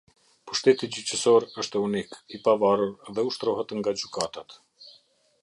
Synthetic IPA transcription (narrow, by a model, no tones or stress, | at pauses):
puʃt̪ɛt̪id͡ʑyt͡ɕəsɔɾəʃt̪ɛunikipavaruɾðɛuʃt̪ɾɔɦɛt̪ŋɡad͡ʑykat̪at̪